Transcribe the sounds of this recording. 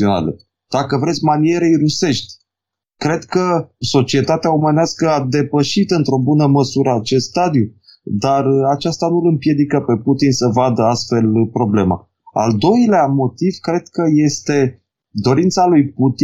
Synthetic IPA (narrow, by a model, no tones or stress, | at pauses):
iona̰lə̰ | d̪̥akəvɾe̞t̪sʲmanie̞ɾejɾuse̞ʃt̪ʲ | kɾe̞d̪kəso̞t͡ʃie̞t̪at̪eaoməneaskəad̪e̞pəʃit̪ɨnt̪ɾo̞bunəməsuɾəat͡ʃe̞st̪st̪ad̪ju | d̪arat͡ʃast̪anulɨmpje̞d̪ikəpe̞put̪insəvad̪əast̪fe̞lpɾo̞ble̞ma̰ | a̰ld̪o̞jleamo̞t̪iv̥kɾe̞d̪kəje̞st̪e̞ | d̪o̞ɾint̪salujput̪i